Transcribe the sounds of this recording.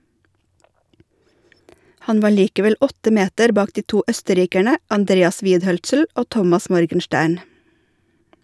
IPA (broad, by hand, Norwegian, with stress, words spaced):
ˈhɑn ˈʋɑː ˈɭiːkəʋɛl ˈɔtə ˈmeːtəɾ ˈbɑːk ˈdiː ˈtuː ˈœstəˌɾiːkæɳə ɑnˈdɾeːɑs ˈʋiːdˌhœlsl̩ ˈoː ˈtɔmɑs ˈmɔɾɡənˌʃtæːɳ